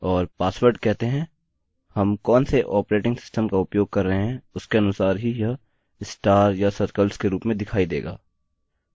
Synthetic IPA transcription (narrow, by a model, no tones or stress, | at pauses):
ɔːɾpaːswəɾɖkɛɦt̪eɦɛ̃ː | hɐmkɔːnseʔɔːpɾeːʈɪ̃ŋɡsɪ̥sʈəmkaʊpjoːɡ̚kɐɾːɐɦeɦɛ̃ʊskeɐnʊsaːɾɦija | ɪsʈaːɾjasɐɾkəlskeɾuːpmẽd̪ɪkʰaːid̪ḛːɡa̰ː